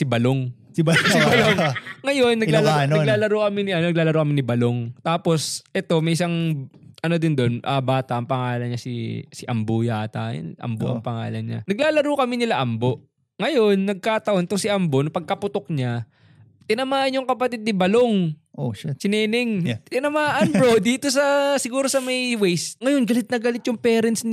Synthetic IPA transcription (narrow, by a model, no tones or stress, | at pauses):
sɪbɐloŋ | sɪbɐloŋŋɐjo̞nːɐɡlalanɐɡlaːlɐɾoːkɐmɪnɪʔɐnɐɡ̚laːlɐɾokɐmɪnɪbɐloŋt̪aːpo̞sʔɛt̪o̞mɐjʔɪsaŋʔɐno̞d̪ɪnd̪o̞nʔɐbaːt̪ɐʔɐŋpɐŋaːlɐnɲasɪ̰sɪʔɐmbujaːt̪ɐ̰j̰nʔɐ̰mboʔɐ̰ŋpɐŋa̰ːlɐnɲa̰nɐɡlaːlɐɾokɐmɪnɪlaʔɐmbo̞ʔ | ŋɐjo̞nːɐɡ̚kaːt̪ɐʔo̞nt̪oŋsɪʔɐmbonʊpɐɡ̚kɐpʊt̪ok̚ɲa | t̪ɪnɐmaːʔɐnːjʊŋkɐpɐt̪ɪd̪̚nɪbɐlo̞ŋʔoʃt͡ʃɪnɛːnɛŋɪnɐmaːʔɐnbɾod̪iːt̪o̞sɐsɪɡuːɾosɐmɐjwɛjst̪̚ŋɐjo̞nɡɐlɪt̪̚nɐɡɐlɪt̪̚jʊŋpɛːɾɛnsn